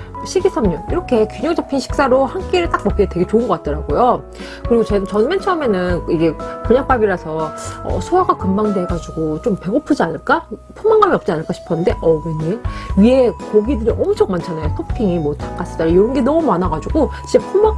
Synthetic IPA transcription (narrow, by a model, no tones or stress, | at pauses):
ɕʰiɡisʰamɲuniɾʌkʰe̞kʲuɲʌŋt͡ɕʰapʰinɕʰi̥k̚s͈aɾohank͈eɾɯɭt͈ak̚mʌp̚k͈ete̞ɡe̞t͡ɕoɯnɡʌk͈at͈̚ʌɾaɡojo | kɯɾiɡot͡ɕet͡ɕʌnment͡ɕʰʌme̞nɯnid͡ʑe̞kuɲaŋk̚p͈abiɾasʰʌʌ̰sʰoaɡakɯmbaŋde̞ɡad͡ʑuɡot͡ɕ͈ompe̞ɡopʰɯd͡ʑianɯɭk͈apʰomaŋɡamiʌp̚t͡ɕ͈ianɯɭk͈aɕʰi̥pʰʌnɯnde̞ʔʌmiɲiɥie̞koɡidɯɾiʔʌmut͡ɕʰoŋmant͡ɕʰanajosʰopʰiŋimotʰḁkk͈as͈ɯt͈aɾojoɾʌnɡenʌmumanaɡad͡ʑuɡot͡ɕit͡ɕapʰuma